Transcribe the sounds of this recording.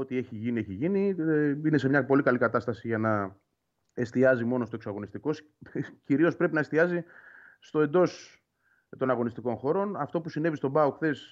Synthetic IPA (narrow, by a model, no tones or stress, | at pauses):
ot̪ie̞çiʝinie̞çiʝiniine̞s̬emɲɐpo̞likɐlikɐt̪ɐst̪ɐsiʝɐnɐ | e̞st̪iɐzimo̞no̞st̪o̞eksɐɣo̞nist̪iko̞s | ciɾio̞spɾe̞pinɐe̞st̪iɐzi | st̪o̞e̞nd̪o̞s | t̪o̞nɐɣo̞nist̪iko̞nxo̞ɾo̞nɐft̪o̞pusine̞vist̪o̞bɐuxθe̞s